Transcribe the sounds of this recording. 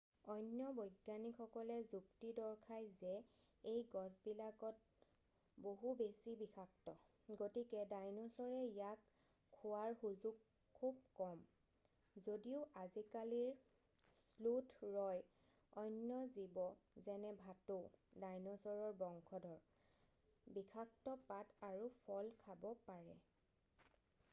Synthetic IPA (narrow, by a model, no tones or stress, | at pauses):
ɔjnjɔbojɡjanikʰɔkɔlɛzuktidɔɹkʰajzɛ | ejɡɔsbilaɡɔt̚ | boɦubesibixʰak̚tɔ | ɡotikɛdajnɔsɔɹɛijakʰː | uaɹxuzuɡ | kʰːub̚kɔm | zodiʊʔazikaliɹ | slutʰɹɔj | ɔjnːjɔzibɔzɛnɛbʱatodajnɔsɔɹɔɹbɔŋkʰɔdʱɔɹ | bikʰak̚tɔpataɹupʰɔlkʰabɔpaɹɛ